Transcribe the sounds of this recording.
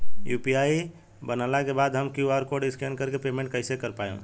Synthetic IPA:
jupiai | bənalakebad̪ɦəmkiuaɾkoɖiskɛnkəɾkepemẽɳʈ̚kəɪsekəɾpajṵ̃

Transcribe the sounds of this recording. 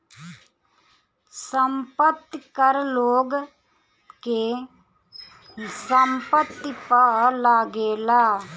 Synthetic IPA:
səmpət̪ːkəɾloːɡ | ke | səmpət̪ːipəlaːɡeːlaː

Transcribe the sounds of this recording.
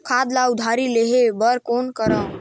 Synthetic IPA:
kʰad̪laud̪ʱaɾileɦebəɾkonkəɾə

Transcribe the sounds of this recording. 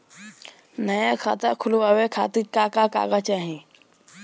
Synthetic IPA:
nəjakʰa̰t̪akʰulʋaʋekʰa̰t̪ikakaka̰ɡat͡ɕaɦĩ

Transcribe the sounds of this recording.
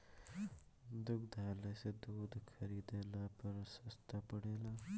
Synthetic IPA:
d̪uɡd̪aːlased̪ud̪kʰaɾid̪elapəɾsast̪apaɽela

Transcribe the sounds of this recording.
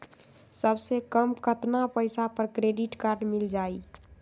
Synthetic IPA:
səbsekəmkət̪napəɪsapəɾkɾeɖiʈkaɾɖmild͡ʒaːi

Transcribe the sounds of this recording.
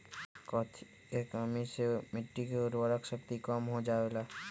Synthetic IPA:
kɔt̪ʰ | kekamesemɪʈːikeʊɾbəɾəkʃək̚t̪ikɔmɦod͡ʒaːela

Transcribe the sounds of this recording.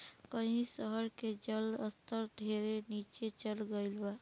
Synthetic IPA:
kəɦĩsəɦəɾked͡ʒələst̪ʰəɾɖʱeɾenit͡ʃet͡ʃəlɡəɪlba

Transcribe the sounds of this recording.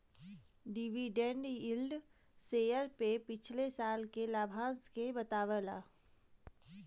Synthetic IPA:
ɖiʋiɖẽɳɖɪlɖ | seːjəɾpepɪt͡ʃʰlesaːlkelaːbʱãːskebɐt̪aːʋəla̰ː

